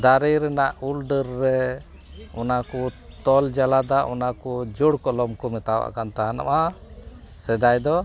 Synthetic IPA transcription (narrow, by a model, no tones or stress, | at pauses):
d̪aɾijɾɛnaʔulɖəɾːɛ | ɔnakɔt̪ɔld͡ʒalad̪aʔɔnakɔd͡ʒuɽkɔlɔmkɔmɛt̪awa̰kant̪ana̰ʔa | sɛd̪ajd̪ɔ